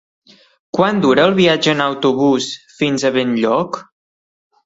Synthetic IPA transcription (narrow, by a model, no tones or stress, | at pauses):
kwand̪uɾəːlˠβiad͡ʒəːnəwt̪uβusfinzəβenʎɔk